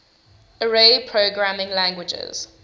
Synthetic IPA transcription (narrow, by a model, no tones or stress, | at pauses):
əɹepʰɹoʊɡɹamɪ̃ŋlãŋɡwɪd͡ʒɛ̰z̥